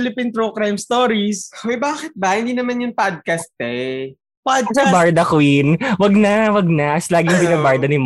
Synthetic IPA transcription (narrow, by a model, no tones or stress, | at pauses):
lɪpint̪ɾokɾajmst̪oːɾisojbaːkɪt̪̚bɐhɪnd̪iːnɐmanjʊŋpad̪̚kɐst̪̚ɛ | pad̪̚ɐbaɹd̪ɐkʊɪnwɐɡ̚nɐwɐɡ̚nɐslaːɡɪŋpɪnɐbaɹd̪ɐnɪm